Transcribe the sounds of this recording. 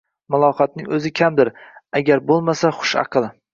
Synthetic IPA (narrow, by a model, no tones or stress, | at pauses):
mʊlˠɒχɑt̪̚nɪŋɵzɪkʲʰamd̪ɪɾaɡʲaɾbolˠmasaχʊ̥ʃɑ̰qʰɨlˠ